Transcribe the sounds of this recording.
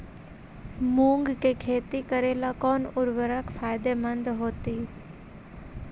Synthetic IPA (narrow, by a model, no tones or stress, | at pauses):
mũːŋɡkekʰeːt̪ikəɾeːlakɔːnʊɾʋəɾəkfʰaːjd̪emə̃nd̪ɦoːt̪iː